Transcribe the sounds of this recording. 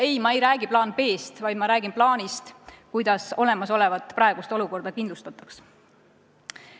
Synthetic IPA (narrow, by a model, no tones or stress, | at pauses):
e̞jmɑe̞jɾæːɡiplɑːnpe̞ːst̪vɑjd̪mɑɾæːɡinplɑːnist̪kujd̪̥ɑso̞le̞mɑso̞le̞vɑt̪ːˑpɾɑˑe̞ɡ̥ust̪o̞luko̞rd̪̥ɑkind̪lust̪ɑt̪ːˑɑ̥ks